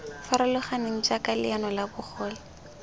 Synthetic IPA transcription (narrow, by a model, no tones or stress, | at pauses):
faɾalʊχaneŋ̩d͡ʒakalɪ̰anɔlabʊχɔːlɪ